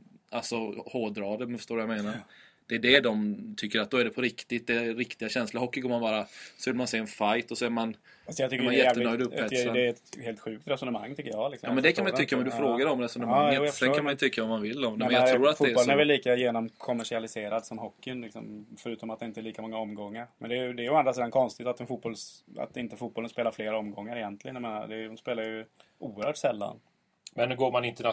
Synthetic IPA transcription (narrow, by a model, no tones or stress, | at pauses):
ʔalsɔhoːd̪ɾɑːd̪əmɛnfœ̥ʂt̪oːɾʋjameːnaɾd̪̥ɛːɖɛd̪ɔmt̪ʰʏkːəɾat̪̚d̪ɔæɖɛpʰɔɾɪkt̪ɪt̪̚d̪ɛɾɪkt̪ɪɡaɕɛnslaɾhɔkːɪɡɔɾmanbɑːɾasɔvɪlmanseːɛnfajt̪ɔsɔæɾman | asɔjɑt̪ʏkːmanjɛt̪ːənœjd̪ɔɵpːɛsad̪ɛɛt̪heːlt̪ɧʉ̟ːk̚t̪ɾɛsɔnəma̰ŋːt̪ʰʏkːəjɑːlɪksɔjɑːmɛnd̪ɛkʰanmajt̪ʏkːaɔmd̪ɵfɾoːɡaɾɔmɾɛsɔnəmaŋːəsɛnkanmanjɵt̪ʰʏkːaɔmːanvɪlːd̪ɔmɛnjɑɾuːɾat̪fɛlənɛɾvɛlːiːkajeːnɔmkʰɔmːæʂɪalɪseːɾad̪sɔmɦɔkːɪnlɪksɔ̰mfœɾʉ̟ːt̪ɔmat̪d̪ɛɪnt̪əɛɭiːkamɔŋːaɔmɡɔŋːaɾmɛnd̪ɛjd̪ɛːjɔand̪ɾasiːd̪ankʰɔnst̪ɪt̪at̪ːɛnfut̪̚bɔlsa̰t̪ɪnt̪əfuːt̪̚bɔlənspeːlaɾfleːɾɔmɡɔŋːaɾɪjɛnt̪lɪɡənjameːna̰d̪ɛdʊmspeːlaɾjɵʔuːəɾhœːʈsɛlːa̰n | mɛnːʉɡoːɾmanɪnt̪əna